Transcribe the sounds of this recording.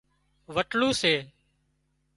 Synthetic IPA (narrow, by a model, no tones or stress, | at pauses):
ʋəʈluːseː